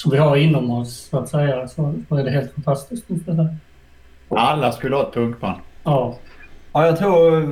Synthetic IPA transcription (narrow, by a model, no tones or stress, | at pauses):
sɔmvɪhaɾɪnːɔmɔssʊat̪sɛjasɔsɔæɖɛɦeːlt̪fant̪ʰast̪ɪskt̪ɔskas̬ɛja | alːaskɵləhɑːt̪̚pʰɵŋkba̰nɑː | ajɑt̪ʰɾuːɾ